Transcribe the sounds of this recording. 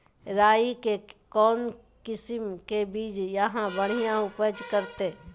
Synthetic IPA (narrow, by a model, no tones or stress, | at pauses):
ɾaːikekɔːn | kɪsɪmkebiːd͡ʒjəɦãbəɽ̤ijãʊpəd͡ʒkəɾt̪e